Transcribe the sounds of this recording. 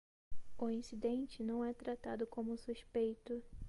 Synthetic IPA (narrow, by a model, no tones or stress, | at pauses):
ʊĩsid̪ẽnt͡ʃɪnɐ̃w̃ɛt̪ɾat̪ad̪ʊkõmʊsuʃpejt̪ʊ